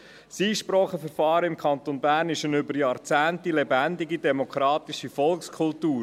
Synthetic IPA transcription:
siːʃpɾɔːχəfəɾfɑːɾɪmkʰɑnt̪onbæːɾnɪʃənʏbəɾjɑːɾt͡sæːntilɛbændɪɡidɛmokɾɑːtiʃifɔlkskʰʊltuːɾ

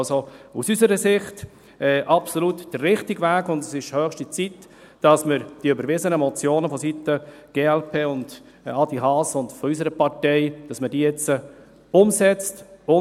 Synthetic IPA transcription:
sousysəɾəsɪχt | ɛːʔɑpsolutd̥ərːɪχtɪɡvæːkʊndɛsɪʃhœːχʃtit͡sit | d̥ɑsməɾd̥iːʏbəɾvɪzənəmɔt͡sjoːnəfɔsitə | ɡ̥eːɛlpʰeːʊnd | ɑd̥iɦɑːsʊndfɔys̬əɾəpɑɾtɛɪd̥ɑsmədiːjɛt͡sə | ʊmsɛt͡stʊ

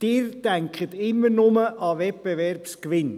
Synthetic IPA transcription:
d̥ɪːɾd̥æŋkχət̪ɪmːəɾnʊməʔɑʋɛt̚b̥eʋɛrpskʋɪn

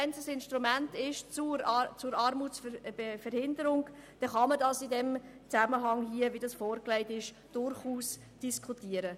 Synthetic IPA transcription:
ɛnsəsɪnʃtɾumæntɪʃt͡suɾt͡sʊɾɑɾmuːsfbefɛɾhɪndəɾʊŋd̥ɛχɑmədɑsidɛm | t͡sæməɦɑŋɦiəvidɑsfɔːɾklæɪtɪʃ | d̥ʊɾχuːs | d̥iskʰχutiəɾə

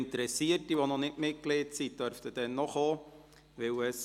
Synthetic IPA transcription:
ntəɾɛsiərtiʋonɔnɪtmɪt̚ɡ̥leːtsit̚dœɾftəd̥ɛnːɔχoː | ʋɪwəs

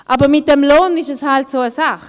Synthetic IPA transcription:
ʔabəʁmɪt̚dɛmloːnɪʃəshaltsoːasaχ

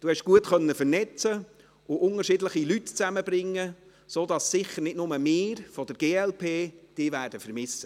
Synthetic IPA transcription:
d̥uːhɛʃɡ̥uətχœnːəfərnɛt͡sə | ʊʔʊnəɾʃɪdləχilytt͡sæməbɾɪŋːə | soːd̪ɑssɪχəɾnɪdnʊməmɪːɾfɔd̥əɾɡ̥eːɛlpʰeːd̥ɪːvæːɾd̥əfəɾmɪsːə

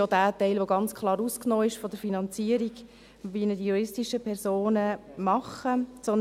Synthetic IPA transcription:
odæːtɛɪlʋoɡɑnt͡skʰχlˠɑːɾusknɔːɪʃfɔd̪əɾfinɑnt͡siəɾiɡ | ʋinədijuɾɪstiʃəpʰɛɾzoːnəmɑχət͡sɔn

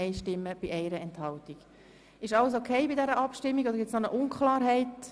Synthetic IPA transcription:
ɛɪʃtɪmːəb̥iʔɛɪɾəɛnthɑltiɡ̥ | ɪʃɑləs̬okʰeɪbidɛɾəʔɑpʃtɪmːiɡodəɾɡɪtt͡ssnonəʔʊnkʰlɑːɾɦɛɪt

